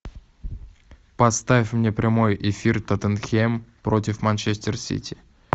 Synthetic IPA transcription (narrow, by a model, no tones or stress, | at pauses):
pɐt̪st̪avʲɪfʲmnʲe̞pɾʲɪmo̞jʔɪfʲirt̪ɐt̪ənxʲempɾotʲɪfmanʲt͡ʃesʲtʲɪrsʲḭtʲʰi